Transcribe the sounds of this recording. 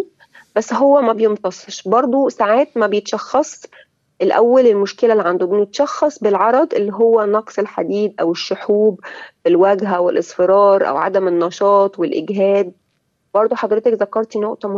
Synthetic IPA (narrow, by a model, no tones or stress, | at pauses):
bæsːɦowːæmæbejemt̪ɑsˤeʃbɑɾˤd̪ˤosaʕaːt̪̚mæbejet̪ʃɑxːɑsˤ | ʔelʔæwːælelmoʃkelælːiʕand̪obenet̪ʃɑxːɑsˤbelʕɑɾˤɑd̪ˤʔelːiɦowːænːɑqsˤelħad̪iːd̪̚ʔæweʃːoħuːbbelwæɡɦæwelʔesˤfeɾɑːɾˤʔæ̰wʕa̰d̪æmenːɑʃɑːt̪ˤwelʔeɡɦæːd̪̚ | b̥ɑɾˤd̪ˤuħɑd̪ˤɾet̪ekzækːɑɾˤt̪inoʔt̪ɑm